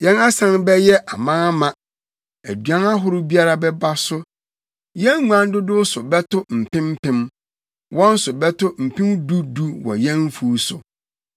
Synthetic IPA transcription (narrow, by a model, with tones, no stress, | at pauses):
jɛ̃˦na˦sã˨nbɛ˦jɛ˦ʔa˨mãː˦a˦mã˨ | æ˨dɥã˦na˦ɦʊ˦ɾʊ˦bi˦a˦ɾa˨bɛ˦ba˦sʊ˦ | jɛ̃˦ŋ˦ŋu˦ã˦n˦dʊ˦dʊ˦sʊ˨bɛ˦tʊ˦m̩˨pɪ̃˦m̩˦pʰɪ̃˦m | wɔ̃˦n̩˦sʊ˨bɛ˦tʊ˦m̩˨pʰɪ̃˦m˦du˦du˦wɔ̰˨jɛ̃˦n˦fu˦sʊ˨